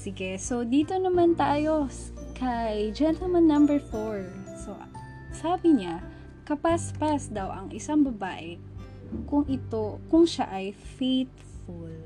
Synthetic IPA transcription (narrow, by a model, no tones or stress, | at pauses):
sɪɡɛso̞d̪iːt̪o̞nɐmant̪aːjo̞kʰɐjd͡ʒɛnt̪ɐlmɐnːɐmbɛɹfoɹsoʔ | saːbɪɲa | kɐpaspasd̪ɐwʔɐŋʔɪsaŋbɐbaːʔɛ | kʊŋʔɪt̪okʊŋʃa̰ʔɐjfejt̪̚ | ful